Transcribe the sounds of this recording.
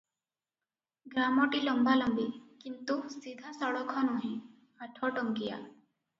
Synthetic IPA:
ɡɾamɔʈilɔmbʱalɔmbikint̪usid̪ʱasɔɽɔkʰɔnuɦɛ̃ | aʈʰɔʈɔŋkija̰

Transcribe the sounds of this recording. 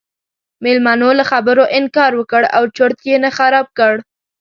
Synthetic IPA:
mɪlmɑnolaxabəɾoʔɪnkɑɾwəkəɽa̰wt͡ʃoɾt̪jenaxaɾɑb̚kəɽ

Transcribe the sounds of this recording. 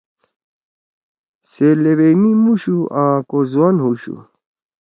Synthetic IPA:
selewemimuɕuʔãːkozuwanɦuɕṵ

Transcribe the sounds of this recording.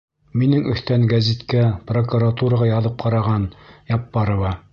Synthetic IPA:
minɘŋɵ̆θt̪æŋɡæzit̪kæprokuɾat̪uɾɑʁɑjɑðɤp̚qɑɾɑʁɑnjɑpːɑɾŏwɑ

